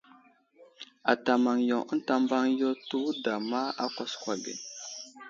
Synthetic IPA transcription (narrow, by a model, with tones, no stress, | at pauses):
a˨ta˨ma˨ŋjo˨ə˦n˦ta˨mba˦ŋjo˦tu˦da˨ma˦a̰˦kɔ˦skwa˨bḛ˨n